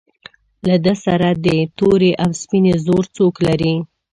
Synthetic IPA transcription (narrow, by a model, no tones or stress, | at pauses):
lad̪əsaɾad̪ət̪oɾeʔawspinezoɾt͡soklaɾi